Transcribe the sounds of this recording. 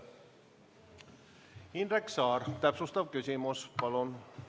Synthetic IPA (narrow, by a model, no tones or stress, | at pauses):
inreksɑːrt̪æpsust̪ɑʋkysimuspɑlon